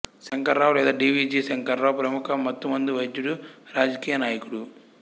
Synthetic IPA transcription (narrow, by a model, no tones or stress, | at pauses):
sɐŋkɐɾːaːwlɛːd̪aːɖiːʋiːd͡ʒiːsɐŋkɐɾːaːwpɾɐmukɐmːɐt̪ːumɐnd̪iʋɐjd̪juɽuɾaːd͡ʒɐkiːjɐnaːjɐkuɽu